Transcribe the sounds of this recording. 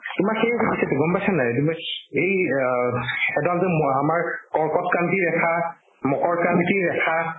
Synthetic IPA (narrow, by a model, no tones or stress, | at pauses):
tʊmaɹxejpisɛtɛɡɔmpasanajetimɔjej | ɛdalzɛmɔamaɹkɔɹkɔtkantiɹɛkʰa | mɔkɔɹkantiɹɛkʰa